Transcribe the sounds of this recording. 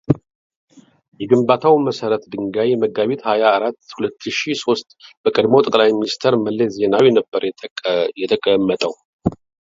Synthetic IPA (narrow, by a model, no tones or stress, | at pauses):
jɛɡɨmbat̪ʰawməsəɾət̪d̪ɨŋɡajməɡaβet̪hajaːɾat̪ːhulət̪ʰːɨʃiso̞st̪b̥əkʼəd̪mot̪ʼəkʼlajminist̪ʰəɾməlːezenawjɛnəbːəɾjɛt̪ʰəkʼəmːət̪ʼəw